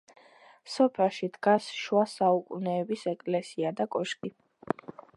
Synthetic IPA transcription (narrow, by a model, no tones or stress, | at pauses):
sɔpʰɛʃid̪̥ɡasʃwasaukʼunɛːbisɛkʼlɛsiad̪akʼɔʃkʼi